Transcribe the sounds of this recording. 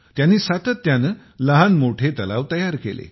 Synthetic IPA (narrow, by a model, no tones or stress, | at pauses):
t̪janːiːsat̪ət̪ːjanə | ləɦanmoʈʰet̪əlaʋt̪əjaɾkḛlḛ